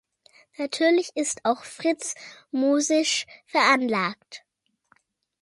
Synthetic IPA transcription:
natʰyːɐlɪçɪstʰaʊxfʁ̥ɪt͡smuːzɪʃfɛɐʔanlaːkt

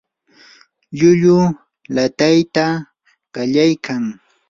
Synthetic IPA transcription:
ʎʊʎʊ | lat̪ajt̪a | ɢɑʎajkaŋ

